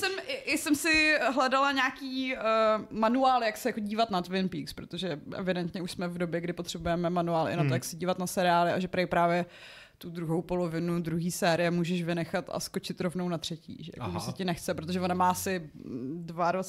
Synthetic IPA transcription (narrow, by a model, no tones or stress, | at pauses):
sɛmɪʔɪsɛmsɪɦlɛdalaɲaːkiː | manuaːlɪjaksɛjako̞ɟiːvat̪nat̪vɪnpiːkspɾot̪oʒɛʔɛ̰vɪdɛnt̪ɲɛuʃsmɛvdo̞bjɛɡdɪpot̪r̥ɛbujɛmɛmanuaːlʔɪ̰nat̪ojaksɛɟiːvat̪nasɛɾɪaːlɪʔaʒɛpɾajpɾaːvjɛ | t̪udɾuɦowpo̞lovɪnudɾuɦiːsɛːɾɪjɛmuːʒɛʃvɪnɛxat̪a̰sko̞t͡ʃɪt̪ɾo̞vnownat̪r̝̥ɛcḭːʒɛ̰ja̰koʒɛsɛcɪnɛxt͡sɛpɾot̪oʒɛvonamaːasɪdvaɾ